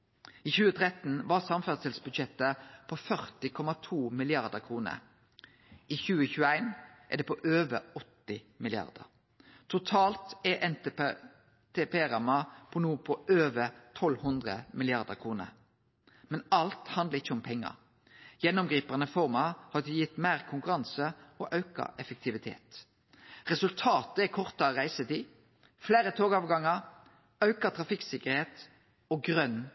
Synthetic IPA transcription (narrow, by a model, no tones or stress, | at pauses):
iːçʉːət̪ʰʁɛt̪n̩ʋɑʁsɑmfæsəlsbʉd̪ʃɛt̪əpʰofœʁt̪ɪkʰɔmɑt̪ʰuːmɪlɪɑʁd̪əʁkʰʁuːnə̰ɾ | ʔiːçʉːəçʉːəæɪnʔɛ̰d̪ɛːpʰɔʔøːʋəɔt̪ːɪ | mɪlɪɑ̰ʁd̪ə̰ʁ | t̪ʰʊt̪ʰɑːlt̪ɛʔɛnt̪ | t̪ʰepeːʁɑmɑpʰɔnuːəpʰɔʔøːʋət̪ʰɔlhʉnd̪ʁəmɪlɪɑʁd̪əʁkʰʁuːnə̰ɾ | mɛnɑlt̪hɑnd̪əʁɪçːəɔmpʰɛŋːɑ̰ʁ | jɛnːʊmɡʁiːpɑnəfɔʁmɑhɑd̪ʉjɪt̪ːmæːʁkʰʊŋkʉʁɑnsəɔʔɑʉkɑ̰ʔɛfək̚t̪ʰɪʋɪt̪ʰḛːt̪ | ʁɛsʉlt̪ʰɑːt̪əɛkʰɔʁt̪ɑəʁæɪsət̪iː | flæːɾət̪ʰoːɡɑːʋɡɑŋɑʁ | ɑʉkɑt̪ʰʁɑfɪksɪkəɾheːt̪ | ɔɡʁœnː